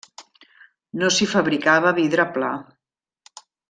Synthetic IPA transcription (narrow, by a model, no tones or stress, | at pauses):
nosifəβɾikaβ̞əβiðɾəpla̰